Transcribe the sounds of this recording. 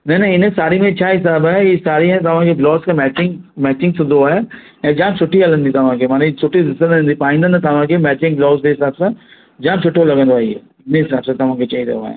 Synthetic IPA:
nɐnɐɪnsaːɾimẽt͡ɕʰaːɦɪsaːbaːeisaːɾiɦɛ̃t̪ɐʋ̤ãkʰeblɔːskẽmɛːt͡ɕɪŋɡmɛːt͡ʃɪ̃ŋɡsɪ̃nd̪oaːɦe | ɛ̃ːd͡ʒãːmsʊʈʰiɐlə̃nd̪ĩt̪ɐʋ̤ãkʰemãːnsʊʈʰid̪ɪsə̃nə̃nd̪ipaːĩːnd̪ənt̪ɐʋ̤ãkʰemɛːt͡ɕɪ̃ŋɡblɔːzd̪eɦɪsaːbsã | d͡ʒãːmsʰʊʈʰːolɐɡə̃nd̪oaːie | ɪnɦɪsaːbsãt̪ɐʋ̤ãkʰet͡ʃaɦĩd̪ḛa̰ɦḛ̃ː

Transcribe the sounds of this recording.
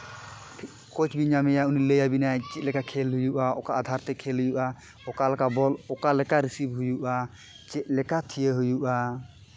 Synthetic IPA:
pʰ | kɔt͡ʃbiɲamɛjauniləjabinajt͡ʃɛt̪̚lɛkakʰɛlɦujuʔaɔkaʔad̪ʱaɾt̪ɛkʰɛlɦujuʔa | ɔkalakabɔlɔkalɛkaɾisibɦujuʔa | t͡ʃɛt̪̚ˀlɛkat̪ʰijəɦujuʔa

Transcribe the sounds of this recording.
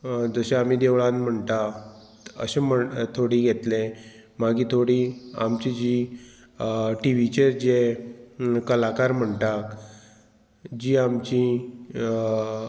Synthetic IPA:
d͡zəɕeam̤iːd̪eʋɭãnm̤əɳt̪a | ə̰sem̤ət̪ʰoɽiːɡʱet̪le | maɡiːt̪ʰoɽiːa̰mt͡ɕid͡ʑi | ʈiʋit͡ɕeɾd͡ʑe | kəlakaɾm̤əɳt̪ak | d͡ʑiːamt͡ɕĩ

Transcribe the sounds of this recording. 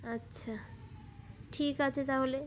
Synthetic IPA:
ətːɕʰa | ʈʰikat͡ɕʰet̪aɦole

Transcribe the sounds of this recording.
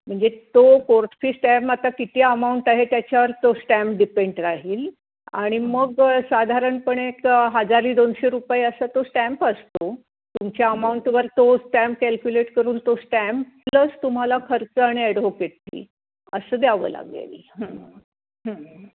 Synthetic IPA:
m̤əɳd͡zet̪okoɾʈfiːsʈæmpat̪akit̪iəmauɳʈaɦet̪jat͡ɕaʋəɾt̪osʈæmpɖipeɳɖɾaɦiːl | a̰ɽ̃iməɡsad̪ʱaɾəɳpəɳekɦəd͡zaɾiːd̪onɕeɾupajəsat̪osʈæ̃mpəst̪o | t̪umt͡ɕjaəmauɳʈʋəɾt̪osʈæ̃mp̚kælkjuleʈkəɾuːnt̪osʈæmppləst̪um̤alakʰəɾt͡səaɽ̃iæɽʋokeʈ̚tḭː | əsəd̪jaʋə̰ːla̰ɡḛlɦə̃ | ɦə̃

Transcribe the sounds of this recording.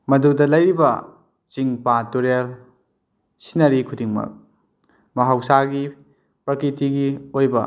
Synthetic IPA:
mɐdudɐlɐjɾibɐ̰ | t͡ʃiŋpatuɾel | sinːɐɾikʰudiŋmɐ̰k̚ | mɐɦawsaɡi | pɐɾkitiɡiojbɐ

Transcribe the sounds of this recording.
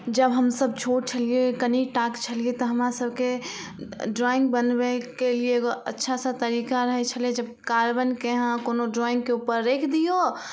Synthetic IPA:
d͡ʒəbɦəmsəb̚t͡ʃʰoɽ̚t͡ʃʰəliekəniʈakt͡ʃʰəliet̪ɔɦəmɾasəbʱke | ɖɾɔĩŋɡ̚bənbekelieːɡoətːʃʰasə̃t̪əɾikaɾəɦɛt͡ʃʰəlied͡ʒəb̚kaɾbənkeɦãkonoɖɾɔĩŋɡkeupəɾːekʰd̪ijo

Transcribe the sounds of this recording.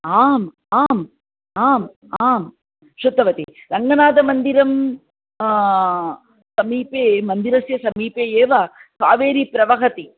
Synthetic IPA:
aːm | aːm | aːm | aːm | ʃut̪ːɐʋɐt̪iɾɐŋɡɐnaːd̪ɐmɐnd̪iɾɐm | sɐmiːpeːmɐnd̪iɾɐsjɐsɐmiːpeːeːʋɐsaːʋeːɾipɾɐʋɐɦɐt̪i

